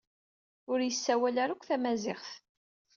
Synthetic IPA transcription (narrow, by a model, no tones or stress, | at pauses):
ʊɾjəsːæwælæɾækʷːθæmæzɪʁθ